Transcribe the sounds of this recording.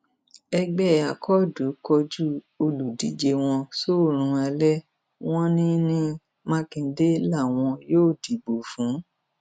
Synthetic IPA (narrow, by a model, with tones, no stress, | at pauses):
ɛ˧ɡ͡bɛ˦˨a˨kʰɔ˦˨du˨˦kɔ˧d͡ʒu˦ | o˧lu˨di˨˦d͡ʒe˧w̃ɔ̃˧so˦˨ɾ̃ũ˨˧a˧lɛ˦ | w̃ɔ̃˦nĩ˦nĩ˧ | mã˧˦kĩ˧˦de˦la˦˨w̃ɔ̃˧joː˦˨di˨ɡ͡bo˨fũ˨˦